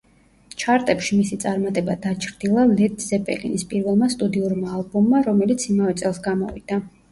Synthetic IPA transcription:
t͡ʃʰaɾt̪ʼɛpʃimisit̪sʼaɾmat̪ʼɛbad̪at͡ʃʰɾd̪ilˠalɛd̪zɛpʼɛ̰lḭnispʼiɾvɛlˠmast̪ʼud̪iuɾmaːlˠbɔmːaɾɔmɛlit̪sʰimavɛt̪sʼɛlˠsɡamɔ̰vḭd̪̥a

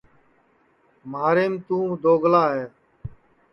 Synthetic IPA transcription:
maːɾeːmt̪ũːd̪oːɡlaːɦɛː

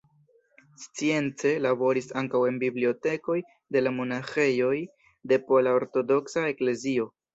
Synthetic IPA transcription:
st͡sie̞nt͡se̞labo̞ɾisaŋkawe̞nbiblio̞te̞ko̞j | de̞lamo̞naxe̞jo̞j | de̞po̞laoɾto̞do̞ksae̞kle̞zio̞

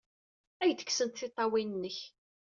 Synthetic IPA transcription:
æjθə̥ksənt̪θɪt̪ˤːɑwinənːəç

